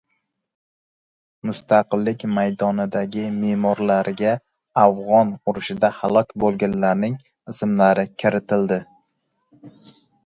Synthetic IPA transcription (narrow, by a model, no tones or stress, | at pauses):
mʊst̪ʰaqɨlːɪkʲmajd̪ɒnɪd̪aɡʲɪmemɒɾlaɾɪɡʲaː | fʁɒnʊɾɪʃɪd̪ahalˠɒkʲbolˠɡʲanlaɾnɪŋ | ɪsɪmlaɾɪkʲʰɪɾɪt̪ʰɪld̪ɪ